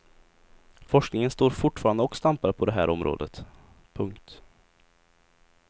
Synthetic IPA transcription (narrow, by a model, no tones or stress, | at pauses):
fɔʂknɪŋənst̪oːɾfʊʈːfɑːɾand̪əɔkːst̪ampaɾəpʰɔd̪ɛɦæːɾʔɔmɾʔo̰ːd̪ət̪ | pʰɵŋkt̪